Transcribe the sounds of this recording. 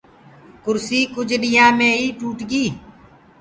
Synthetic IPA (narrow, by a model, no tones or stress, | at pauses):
kʊɾsiːkʊd͡ʒɗɪjãːmẽːɦiːʈuːʈɡiː